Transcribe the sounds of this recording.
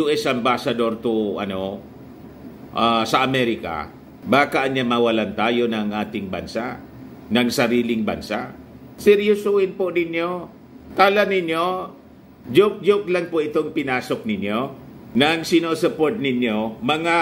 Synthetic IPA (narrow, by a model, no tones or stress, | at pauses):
juʔɛsɐmbasɐd̪o̞ɾt̪ʊʔɐ̰no̞ | ʔasɐʔɐmɛɾɪka̰ | baːkɐʔɐnamɐwɐlant̪aːjonɐŋʔaːt̪ɪŋbɐ̰nsaʔ | nɐŋsɐɾiːlɪŋbɐ̰nsa | sɛɾjʊsuːhɪnpʊnɪnjo | t̪aːlanɪnjo | d͡ʒʊk̚d͡ʒʊk̚laŋpʊʔɪt̪oŋpɪnaːsok̚nɪnjonɐŋsɪnosɛpoɹt̪̚nɪnjomɐŋa